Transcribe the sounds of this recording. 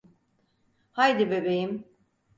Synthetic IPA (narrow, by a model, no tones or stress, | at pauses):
hajd̪ibe̞be̞jim